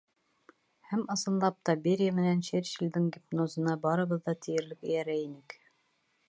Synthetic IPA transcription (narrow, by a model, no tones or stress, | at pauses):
hæmɤ̆sɤ̆nlˠɑp̚t̪ɑbeɾʲijamɘ̆nænʃeɾʃild̪ɘŋɡʲip̚nozɤ̆nɑbɑɾɤ̆βɤ̆ðːɑt̪ʰĭjɘ̆ɾlɘkɘ̆jæɾæinɘk